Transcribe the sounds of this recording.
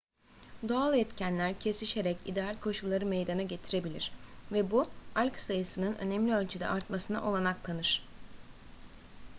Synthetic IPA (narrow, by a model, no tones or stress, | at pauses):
d̪o̞alˠɛt̪cʰænlʲæɾcʰe̞siʃe̞ɾɛcḭd̪ealʲkʰo̞ʃulˠːaɾɯmejd̪anaɟe̞t̪ʰiɾe̞bilʲiɾ̥vɛbualʲksajɯsɯnɯnø̞̰nɛmlʲiø̞lʲt͡ʃʰyd̪ɛ̰ʔaɾt̪masɯna̰ʔo̞lˠanaklˠanɯɾ̥